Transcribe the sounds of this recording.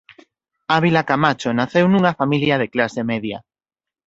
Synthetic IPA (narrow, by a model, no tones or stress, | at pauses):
aβilakamat͡ʃonaθewnũŋafamiljað̞eklasemɛðja̰